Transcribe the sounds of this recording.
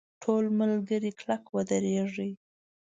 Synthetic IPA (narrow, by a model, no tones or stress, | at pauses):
ʈʰolməlɡəɾiklakwəd̪əɾeʐi